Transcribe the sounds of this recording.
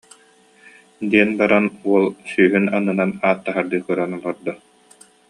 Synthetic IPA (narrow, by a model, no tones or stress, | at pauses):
d̪iɛnbaɾanuɔlˠsyːɦynanɯnanaːt̪ːaɦaɾd̪ɯːkɯɾanɔlˠɔɾd̪ɔ